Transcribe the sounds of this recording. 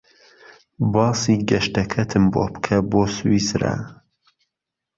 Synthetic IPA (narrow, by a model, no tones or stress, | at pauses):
bɑːsiːɡɐʃtɐkʰɐt̪ʰɨmbo̰ːpkʰɐboːswisɾɐ̰